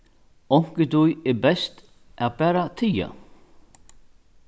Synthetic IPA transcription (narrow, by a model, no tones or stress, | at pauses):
ɔŋ̥kɪt̪ujɛbɛst̪ | ʔaðbæːɾat̪ʰija̰